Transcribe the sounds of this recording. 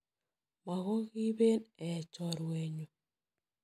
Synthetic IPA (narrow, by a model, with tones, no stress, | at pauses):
ma˨ɣɔ˦ɣi˦βe˦nɛ˨t͡ʃɔ˨ɾwe˨ɲo˨